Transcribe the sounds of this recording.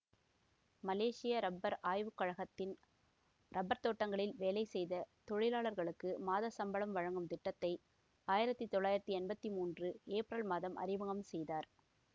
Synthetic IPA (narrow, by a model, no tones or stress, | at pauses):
mɐleːʂɪjɐɾɐbɐɾaːjʋɯkːɐɻɐɣɐt̪ːɪn | ɾɐbːɐɾt̪oːʈːɐŋɡɐɭɪlʋeːlɐɪsɛjðɐt̪ɔɻɪlaːɭɐɾɣɐɭɯkːɯmaːðɐsɐmbɐɭɐmʋɐɻɐŋɡɯmt̪ɪʈːɐt̪ːɐɪ | aːjɪɾɐt̪ːit̪ːɔɭːaːjɪɾɐt̪ːiɛnbɐt̪ːimuːndrɯeːpɾɐlmaːðɐmʔɐ̰ɾɪʋɐɣɐmsɛjðaːɾ